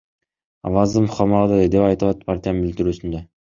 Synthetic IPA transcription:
ɑ̰vɑzɯmχɑmɑd̪ɯd̪epɑjt̪ɯlˠɑt̪pʰaɾt̪ʲijanbilt̪iɾyːsynd̪e

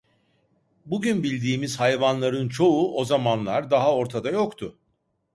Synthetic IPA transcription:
buɟynbilʲd̪iːmiz̥hajvanlˠaɾɯnt͡ʃʰo̞uʔo̞zamanlˠaɾd̪aɦao̞ɾt̪ʰad̪ajo̞kt̪ʰʊ

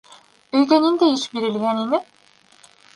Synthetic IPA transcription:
øjd̪enind̪ejiʃbiɾilʲjænini

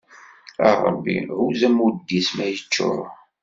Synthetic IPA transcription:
ɑ̰rˤə̰bːḭʕuzæmud̪ːismæjət͡ʃːʊ̰ɾ

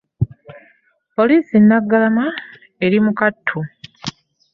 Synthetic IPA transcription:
po̞liːsinːaɡːalama | e̞ɾimukatʰːu

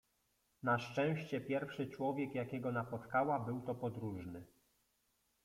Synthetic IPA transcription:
naʂt͡ʂɛ̃w̃ɕt͡ɕɛpʲjɛɾfʂɘt͡ʂwɔvʲjɛkjakʲɛɡɔnapɔt̪kawabɘwt̪ɔpɔd̪ɾuʐnɘ

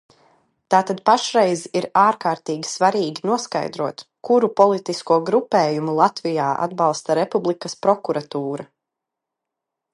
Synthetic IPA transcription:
t̪aːt̪ad̪paʃɾɛjziɾaːɾkaːɾt̪iːɡʲi̥svaɾiːɡinuɔska̰jd̪ɾuɔt̪ | kuɾupɔlˠit̪iskuɔɡɾupɛːjumulˠat̪vijaːʔa̰d̪̚bɑlˠst̪aɾɛpublˠikɐspɾɔkuɾat̪uːɾa

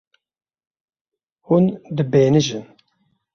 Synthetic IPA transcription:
hund̪ɨbeːnɨʒɨn

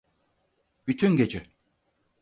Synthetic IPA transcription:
b̥yt̪ʰynɟed͡ʒɛ

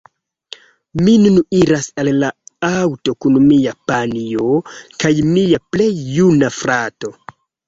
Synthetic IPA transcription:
minuniɾasalːaawto̞kunmiapaniokajmiaple̞jːunafɾato̞

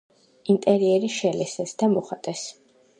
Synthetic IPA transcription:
int̪ʼɛɾiɛɾiʃɛlɛsɛsd̪amɔχat̪ʼɛs

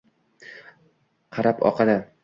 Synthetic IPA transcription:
qʰɑɾapɒ̰qʰɑd̪a

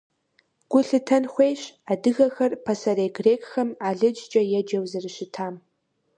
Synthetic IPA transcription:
ɡ̥ʷʊɬɨtʰɐnxʷejɕaːdɨɣɐxɐrpʰɐsɐreːɡreːkʰʼxɐmaːɮɨd͡ʒd͡ʒʼɐjɛd͡ʒɐwzɨrɨɕɪtʰaːm

